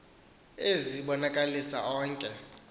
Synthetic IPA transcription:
eziɓɔnakʼalisa̰ʔɔːŋkʼɛ

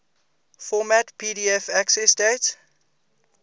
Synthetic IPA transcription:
fɔmætpʰiɾiɛfæksɛsdet

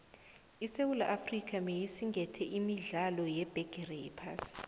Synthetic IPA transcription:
isewula̰ʔafrik̬ʰʼamejisiŋɡʱɛtʰɛʔimiɮalɔjɛb̥ʱɛɡ̥ʱɛrɛḭpʰa̰ːsi̥

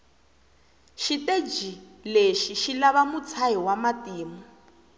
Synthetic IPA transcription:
ʃited͡ʒileʃiʃilaβamut͡sʰaɦiwamatiːmɔ

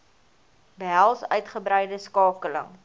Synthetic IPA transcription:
bəɦælˠsœ̰ɥtχəbɾɛjdəskɑːkələ̰ŋ

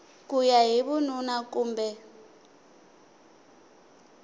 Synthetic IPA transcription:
kujaɦiβununakuːmbɛ

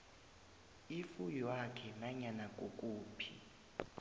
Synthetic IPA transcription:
ifujwakʰɛnaɲanak̬ʼokʼuːpʰi

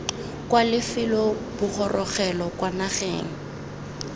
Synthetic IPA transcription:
kʼwalɪfɪlɔb̥ʊχʰɔrʔɔχɛlɔkwanaχḛːŋ̩

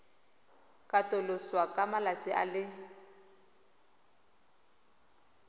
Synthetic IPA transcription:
kʼatʼʊlʊswakʼamalat͡sʼɪʔa̰lɪ

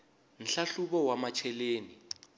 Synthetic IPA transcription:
n̩ɬaɬuβɔwamat͡ʃʰɛleːni

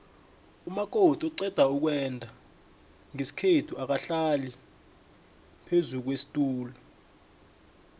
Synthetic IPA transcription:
umak̬ʼotʼɔǀɛd̥ʱauk̬wɛndʱa | ŋesi̥kʰetʰuʔak̬aɬali | pʰezuk̬wesi̥tʼuːlɔ

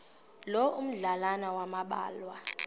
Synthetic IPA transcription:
lɔʔum̩ɮalanawamaɓa̰ːlwa

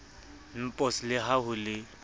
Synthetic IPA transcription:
n̩pʼɔslɪɦaɦʊlɪ

